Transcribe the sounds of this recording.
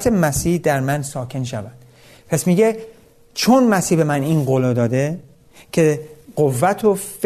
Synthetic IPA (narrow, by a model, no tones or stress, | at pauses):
t̪ʰemæsiːhd̪æɾmænsɒːkʰe̞nʃævæd̪̥ | pʰæsmiːɟe | t͡ʃʰonmæsiːhbe̞mæniːnɢolɒːd̪ɒːd̪e | cʰe̞ɢovːæt̪ʰof